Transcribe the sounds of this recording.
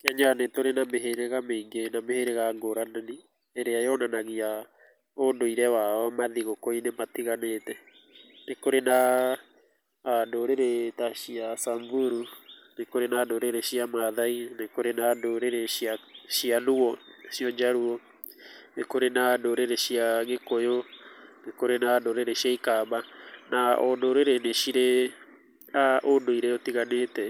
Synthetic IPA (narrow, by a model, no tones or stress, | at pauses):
keaɲanetoɾenameɦeɾeɣameiŋɡenameheɾeɣaːŋɡoɾanani | eɾeajɔnanaɣia | ondoiɾɛwaɔmaðiɣokoinematiɣanetɛ | nekoɾena | doɾeɾetaɕiasaɱvuɾunekoɾenandoɾeɾeʃiamaðainekoɾenandoɾeɾeʃiaʃianuɔʃioɲd͡ʒaɾuo | nekoɾenadoɾeɾeʃiaŋekojonekoɾenandoɾeɾeʃiaikabanaondoɾeɾeneʃiɾe | aʔonoiɾeotiɣanetɛ